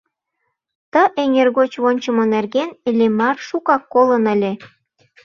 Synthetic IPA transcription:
t̪ə̆ʔeŋerɣot͡ɕβonʲt͡ɕə̆monerɣenlʲemɑrʃukɑkːolənə̆lʲe

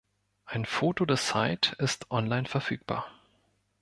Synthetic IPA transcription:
ʔaɪnfoːtodeːɐt͡saɪtɪstʔɔnlaɪnfɛɐfyːk̚b̥a̰ːɐ

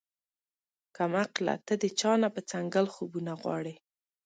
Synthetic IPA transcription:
kamaqla̰t̪əd̪ət͡ʃɑnapət͡saŋɡalxobunaɣwɑ̰ɽe

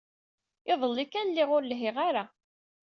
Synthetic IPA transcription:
ɪðˤəlːikːænlːɪʁʊɾlɦɪʁaɾa

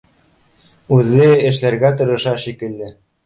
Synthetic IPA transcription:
ʉðːɘɘ̆ʃlæɾɡæt̪ɤ̆ɾɤ̆ʃɑʃikɘ̆lːɘ

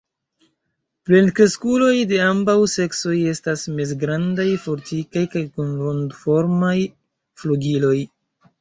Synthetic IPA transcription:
plenkɾeskulo̞jde̞ambawse̞kso̞je̞stasmes̬ɡɾandajfo̞ɾtikajkajkonɾondfo̞ɾmaj | fluɡilo̞j

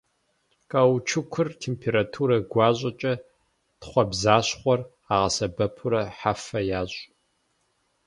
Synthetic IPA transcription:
kʼɐwt͡ʃʰɨkʷʰʊrtʰeːmpʰeɾatʰuːɾɐɡʷɑːʑʼɐt͡ʃʼɐ | tχʷɔbzaːɕχʷɔr | aːʁɐsɐbɐpʰʊɾɐħafɐjaːɕʼ

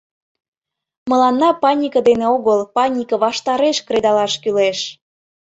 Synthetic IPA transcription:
mə̆lɑnːɑpɑnʲikəd̪eneoɣəlpɑnʲikɤβɑʃt̪ɑɾeʃkred̪ɑlɑʃkyleʃ

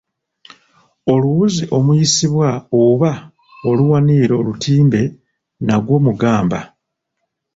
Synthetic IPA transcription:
o̞luwuziʔo̞mujisiβwaoβa | oluwaniɾo̞ːlutʰiːmbe̞ | naɡwo̞ːmuɡaːmba

